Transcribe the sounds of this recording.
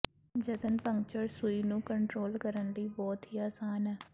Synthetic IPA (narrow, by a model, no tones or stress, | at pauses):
d͡ʒət̪ənpə̃ŋɡt͡ʃəɾsuiːnũːkəɳʈɾoːlkəɾənd̪iːbɔːt̪ɦiːaːsaːnɛː